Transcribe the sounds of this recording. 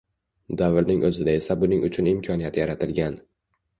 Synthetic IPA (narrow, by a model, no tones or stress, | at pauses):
d̪avɾnɪŋʔɵzɪd̪ae̞sabʊnɪŋʊt͡ʃʰʊnɪmkʰɒnijat̪ʰjaɾat̪ʰɪlɡʲan